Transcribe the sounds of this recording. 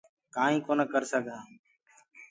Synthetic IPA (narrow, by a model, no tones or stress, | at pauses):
kãːɦĩːkoːnəkəɾsəɡʱãː